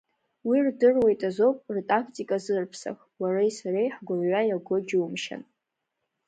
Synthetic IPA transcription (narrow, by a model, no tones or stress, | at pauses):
wirdɨrwe̞jtʼazo̞pʼrtʼakʰtʼikʼazɨrpʰsa̰χ | warajsaɾejħɡʷʊrɥʷajaɡʷod͡ʒumʃa̰n